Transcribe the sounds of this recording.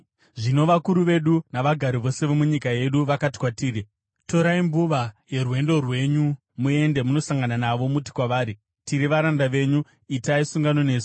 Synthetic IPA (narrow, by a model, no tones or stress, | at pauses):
ʐino̞ʋakuɾuʋe̞ɗunaʋaɡʱaɾiʋo̞se̞ʋomuɲikaje̞ɗuʋakati̥kwatiːɾi | to̞ɾaimbuʋaje̞rwe̞ndo̞rwe̞ɲu | mue̞nde̞muno̞saŋɡananaʋo̞muti̥kwaʋaːɾi | tiɾiʋaɾandaʋe̞ɲu | itaisuŋɡano̞ne̞ːsi̥